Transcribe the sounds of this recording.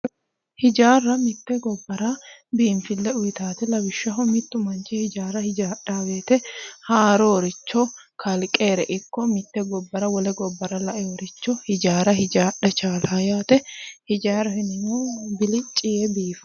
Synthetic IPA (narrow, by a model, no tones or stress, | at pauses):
hɪd͡ʒaːrːɐmɪt̪ːɛɡɔbːɐɾɐbiːnfɪlːɛʊjɪt̪aːt̪ɛlɐbɪʃːɐɦɔmɪt̪ːʊmɐnt͡ʃɪhɪd͡ʒaːɾɐhɪd͡ʒaːɗːaːbeːt̪ɛhaːɾɔɔɾɪt͡ʃːɔ | kʰɐlkʼeːɾɛʔɪkːɔmɪt̪ːɛɡɔbːɐɾɐwɔlɛɡɔbːɐɾɐlɐʔɛwɔɾɪt͡ʃːɔhɪd͡ʒaːɾɐɦɪd͡ʒaːɗɛt͡ʃaːlɐjaːt̪ɛhɪd͡ʒaːɾɐhɪnɪnobɪlɪt͡ʃʼːɪjɛbiːfɐ̥